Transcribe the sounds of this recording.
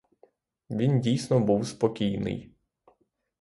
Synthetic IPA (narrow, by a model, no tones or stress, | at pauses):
ʋʲindʲijsʲnɔbuwspɔkʲijnɪ̰j